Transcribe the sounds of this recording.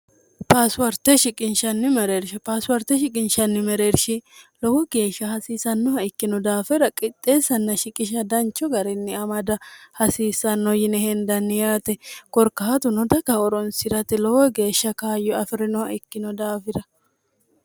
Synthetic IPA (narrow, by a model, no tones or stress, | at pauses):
paːswɐɾt̪ɛʃɪkʼɪnʃɐnːɪmɛɾeɾʃɪpaːswɐɾt̪ɛʃɪkʼɪnʃɐnːɪmɛɾeɾʃɪlɔwɔɡe̞ːʃːɐhɐsiːsɐnːɔhɐɪkːɪnɔd̪aːfɛɾɐkʼɪt̪ʼːe̞ːsːɐnːɐʃɪkʼɪʃ̬ɐd̪ɐnt͡ʃːɔɡɐɾɛnːɪɐmɐd̪ɐhɐsiːsːɐnːɔjɪnɛhɛnd̪ɐnːɪjaːt̪ɛkɔɾkɐhɐt̪ʊnɔd̪ɐkɐɔɾɔnsɪɾɐt̪ɪlɔwɔɡe̞ːʃːɐkaːjɔɐfɪɾɪnɔhɐɪkːɪnɔd̪aːfɪɾɐ